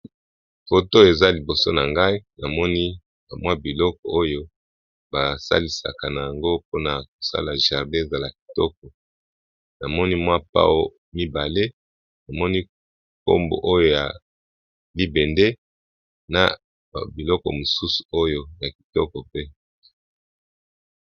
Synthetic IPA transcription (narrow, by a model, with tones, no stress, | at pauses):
fo˨to˦je˨za˦li˨bo˨so̰˦na˨ŋɡa˦i˦na˨mɔ˦ni˦ | ba˨mwa˦bi˨lɔ˦kɔ˨o˦jo˦ | ba˨sa̰˦li˨sa̰˨ka˨na˨ja˨ŋɡo˦po˦na˨k̚o̥˨sa̰˦la˨ʒa˨ʁde˦e˦˨za˦la˨k̚i̥˨tɔ˦k̚ɔ˨ | na˨mɔ˦ni˦mwa˦pa̰˦wo˨ | mi˦ba˨le˦ | na˨mɔ˦ni˦ | ko̰˦mbo̰˨ʔo˦jo˦ja˨ | li˦be˨nde˦ | na̰˨ | bi˨lɔ˦kɔ̰˨mo˨su˦su̥˨o˦jo˦ja˨ki̥˨tɔ˦kɔ˨pe˦